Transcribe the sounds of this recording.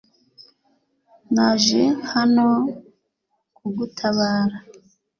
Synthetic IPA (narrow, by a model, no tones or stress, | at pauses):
naʒehano̞ | kuɡutʰaβaːɾa